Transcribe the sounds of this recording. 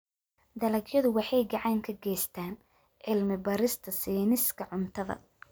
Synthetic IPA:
d̪ɐlɐɡjɐðʊwɑħɑjɡɑʕɑːŋkʰɐɡɛːjst̪ʰaːn | ʕɪlmɪbɐɾɪst̪ʰɐsiːnɪskʰɐʕʊnt̪ʰɐðɐ̰

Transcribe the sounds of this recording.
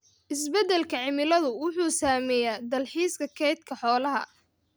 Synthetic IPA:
ʔɪsbɛd̪ɛlkʰɐʕɪmɪlɐðʊwʊħuːsaːmɛːjaːd̪ɐlħiːskʰɐkʰɛjt̪kʰɐħɔːlɐɦɐ̰

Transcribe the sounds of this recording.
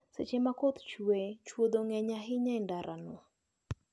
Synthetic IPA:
sḛt͡ʃemakot̪t͡ʃuet͡ʃwod̪oŋɛɲaɦɪɲaɪndaɾʔa̰nʊa

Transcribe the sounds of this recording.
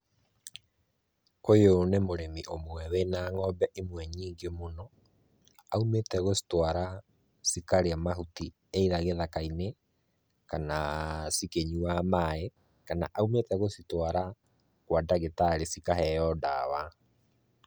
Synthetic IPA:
ojonemoɾemiʔomwɛwenaːŋɔbɛʔimwɛɲiːŋɡemonɔ | aumetɛɣosi̥twaɾa | sikaɾeamaɦuti | eiðaɣeðakaine | kanasikeɲuamae | kana̰ʔaumetɛɣositwaɾa | kwadaɣetaɾesikaɦɛjɔdawa

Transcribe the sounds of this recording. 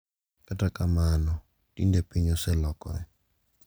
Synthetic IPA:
kʼatʼakʼamanɔ | tʼindepʰʼiɲɔsɛlɔkʼɔ̰ɛ

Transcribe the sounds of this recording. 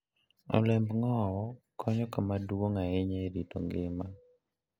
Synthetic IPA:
ɔ̰lɛmbŋɔwɔkʰɔɲɔkamaduwoŋaɛɲeɾito̰ŋɡɪma

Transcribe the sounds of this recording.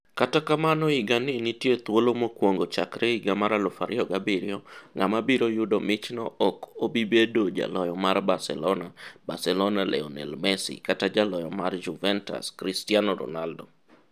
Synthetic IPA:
katakamanɔiɡanɪnitjet̪wolomokwoŋɡot͡ʃakɾeiɡamaɾalɔfaɾɪɔɡabɪɾɪɔŋamabiɾojʊdomɪt͡ʃnɔ̰ʔɔkobibedod͡ʒa̰lɔjɔmarbasɛ̰lɔnaba̰sɛlɔnalʔɛ̰ɔnɛ̰lmɛsḭkatad͡ʒalɔjɔ̰mard͡ʒuvɛnta̰skɾɪstianɔɾɔ̰naldɔ

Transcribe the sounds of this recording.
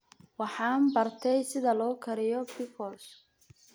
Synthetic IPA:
wɑħɑːnbɐrt̪ʰɛjsɪðɐlɔːkʰɐɾɪjɔpɪkʰɔls

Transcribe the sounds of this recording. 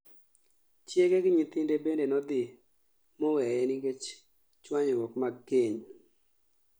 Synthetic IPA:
t͡ʃjeɡeɡɪɲit̪ɪndebendenɔd̪ɪ | mɔwɛjɛniɡet͡ʃ | t͡ʃwaɲɔwɔkmaɡeɲ

